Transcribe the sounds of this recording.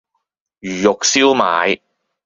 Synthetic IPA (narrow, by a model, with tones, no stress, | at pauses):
jyː˨jʊ˨k̚siː˥wmaː˨˧j